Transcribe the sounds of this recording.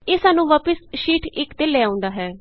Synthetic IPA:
eːsaːnũːʋaːpəsʃiːʈɪkd̪eːlɛːaːʊ̃nd̪aːɦɛː

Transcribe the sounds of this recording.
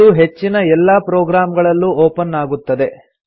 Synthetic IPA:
uɦet͡ʃːinɐɛlːapɾɔːɡɾaːmɐɡɐɭɐlːuoːpɐnːaːɡut̪ːɐd̪e̞

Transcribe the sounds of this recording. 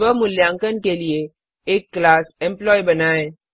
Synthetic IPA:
ʋəmʊljãːŋkənkelie | eːkːlaːsẽmplɔːibənaːe

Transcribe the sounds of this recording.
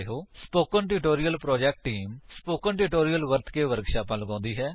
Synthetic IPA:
eɦoːsspoːkənʈɪʈoːɾijəlpɾɔːd͡ʒɛːk̚ʈːiːmspoːkənʈɪʈoːɾijəlʋəɾt̪ʰkeːʋəɾəɡʃaːpãːləɡãːnd̪iːɦɛː

